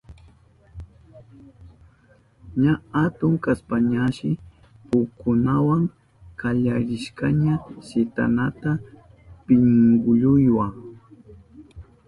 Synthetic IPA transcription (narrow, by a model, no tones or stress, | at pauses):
ɲahat̪ʊŋkaspaɲaʃɪ | pʊkːʊnawaŋ | kaʎaɾɪʃkaɲasɪt̪a̰nat̪a | pɪŋɡʊʎʊjwa